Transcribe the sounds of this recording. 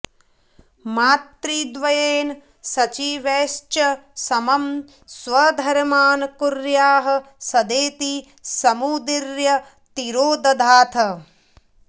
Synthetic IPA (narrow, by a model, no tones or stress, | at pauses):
maːt̪ɾiːd̪ʋɐjeːn | sɐt͡ʃiːʋeːʃt͡ʃɐsɐmɐm | sʋɐd̪ʱɐɾmaːnɐkuɾjaːɦɐ̆sɐd̪eːt̪i | sɐmud̪iɾjɐ | t̪iɾoːd̪ɐd̪ʱaːt̪ʰɐ